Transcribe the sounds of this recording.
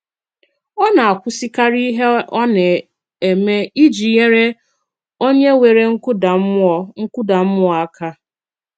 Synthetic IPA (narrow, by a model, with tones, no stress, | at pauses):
ɔ˦na˨a˨kʷʊ˦si˦ka˦ɾi˦ɦe˦ʔɔ˦ne˨ | e˨me˦i˦d͡ʒi˨je˦ɾe˦ | o˦ɲe˦we˨ɾe˦ŋ̩˦da˨˦ɔ˦ŋ̩˦kʷʊ˦da˨m̩˦m˦ɔ˦a˦kʰa˦